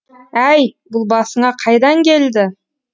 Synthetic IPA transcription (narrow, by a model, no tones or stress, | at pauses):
æjbʊlˠbɑsəɴɑqʰɑjd̪ɑŋkʲe̞ld̪ɪ